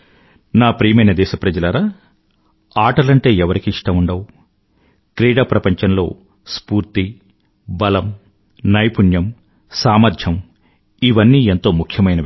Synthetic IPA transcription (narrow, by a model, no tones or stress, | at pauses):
naːpɾiːmɐjnɐd̪ɛːʃɐpɾɐd͡ʒɐlɐɾaː | aːʈɐlɐɳʈe̞ːɛʋɐɾikiːʂʈɐmuɳɖɐw | kɾiːɽaːpɾɐpɐɲt͡ʃɐnlo̞̰ː | spuːɾt̪i | bɐlɐm | nɐjpunjɐm | saːmɐɾd̪ʰʱjɐm | iʋɐnːiːent̪o̞ːmukʰjɐmɐjnɐ